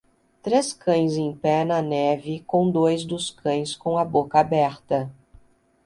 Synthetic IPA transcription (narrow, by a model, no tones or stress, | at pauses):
t̪ɾeskɐ̃j̃zẽj̃pɛnɐnɛvɪkõw̃d̪ojzd̪ʊskɐ̃j̃skõw̃ɐbokɐabɛɾt̪ɐ